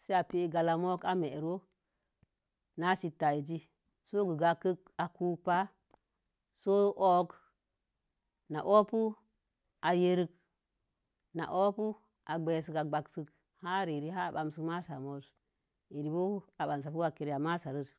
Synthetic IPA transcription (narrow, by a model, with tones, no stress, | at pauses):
se˦a˨pi˦ɡa˨la˨mo˦ka˦me˨ɾo˦ | na˦ʃi˨tːa˨i˨d͡ʒi˦ | so˦ɡu˨ɡa˨kə˦ka˨ku˦pa˦ | so˦ʔo˦k | na̰˨ʔo˦pu˦ | a˨je˦ɾi˦k | na̰˨ʔo˦pu˦ | ʔa˨ɡ͡be˨s̬ɨ˨ka˨ɡ͡ba˨ksɨ˨k | ha˦ɾi˨ɾi˦ɦa˦˨ɓa˨msɨ˨ma˦sa˨mo˦s | i˨ɾi˨bo˦a˨ɓa˨ms̬a˨pu˦a˨ke˨ɾja˨ma˦sa˨ɾə˦t